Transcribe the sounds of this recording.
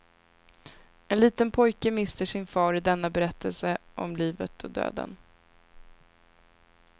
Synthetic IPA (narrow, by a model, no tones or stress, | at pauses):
ɛnliːt̪ənpʰɔjkəmɪst̪əʂɪnfɑːɾɪd̪ɛn̪ːabɛɾɛt̪ːəlsəʔɔmliːvət̪ʰɔd̪ø̰ːd̪ə̰n